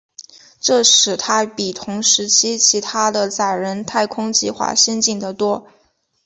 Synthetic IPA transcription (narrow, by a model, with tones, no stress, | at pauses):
ʈ͡ʂɤ˥˩ʂɻ̩˨˩t̪ʰa˥pi˨˩t̪ʰʊ˧˥ŋʂɻ̩˧˥t͡ɕʰi˥t͡ɕʰi˧˥t̪ʰa˥d̪ə˨t͡sa˨˩ɪɻə˧˥nt̪ʰa˥˩ɪkʰʊ˥ŋt͡ɕi˥˧xwa̰˥˩ɕɛ˥nt͡ɕi˥˩ŋd̪ə˩t̪wɔ˥